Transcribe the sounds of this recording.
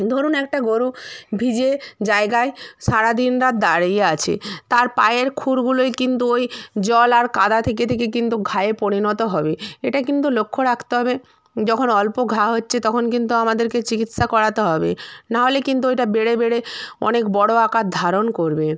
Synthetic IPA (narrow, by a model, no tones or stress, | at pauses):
d̪ʱoɾonɛk̚ʈaɡoɾubʱid͡ʑed͡ʑaeɡaeʃaɾad̪inɾat̪̚d̪aɽejeat͡ɕʰḛt̪aɾpa̰jeɾkʰuɾɡuloekint̪uojd͡ʑɔlaɾkad̪at̪ʰeket̪ʰekekint̪uɡʱaepoɽinɔt̪oɦɔbeeʈakint̪ulokʰːoɾakʰt̪eɦɔbe | d͡ʑɔkʰonɔlpoɡʱaɦotːɕʰet̪ɔkʰonkint̪uamad̪eɾket͡ɕikit̪ʃakɔɽat̪eɦɔbḛnaɦolekint̪̬uejʈabeɽebeɽeɔ̰nekbɔɽoakat̪̚d̪ʱaɾonkoɾbe